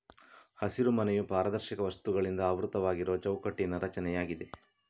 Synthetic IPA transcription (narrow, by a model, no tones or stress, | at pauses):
hɐsiɾumɐnejupaːɾɐd̪ɐɾʃikɐʋɐst̪uɡɐɭind̪ɐːʋɾut̪ɐʋaːɡiɾo̞ːt͡ʃɐwkɐʈːinɐɾɐt͡ʃɐnɛjaːɡid̪e̞